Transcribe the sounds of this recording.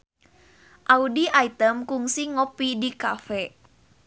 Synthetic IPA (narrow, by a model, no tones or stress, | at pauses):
ʔaudiʔait̪əmkuŋsiŋopidikafɛ